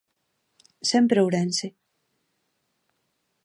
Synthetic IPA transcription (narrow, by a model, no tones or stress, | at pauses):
sempɾeowɾense